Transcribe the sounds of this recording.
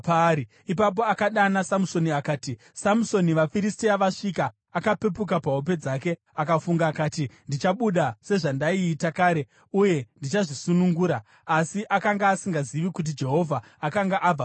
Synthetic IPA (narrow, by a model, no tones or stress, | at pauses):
pai | ipap̬o̞akaɗanasamuso̞niakaːti | samuso̞niʋafiɾistiaʋaʂikaː | kapepukapaɦo̞p̬e̞d͡zaːke̞ | akafuŋɡaːkaːtindit͡ʃaɓuɗase̞ʐandaiːtakaːɾe̞ | uje̞ndit͡ʃaʐisunuŋɡuːɾa | asiʔakaŋɡaːsiŋɡaziʋikut̬id͡ʒe̞ɦo̞vʱaːkaŋɡaʔab͡va